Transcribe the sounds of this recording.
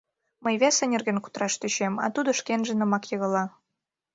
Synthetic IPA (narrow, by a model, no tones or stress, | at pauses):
məjβʲæsə̆nʲĕrɣənku̥t̪rɑʃt̪øɕemɑ̰t̪ud̪ŏʃkenʒĕnə̆mɑkjɤɣə̆lɑ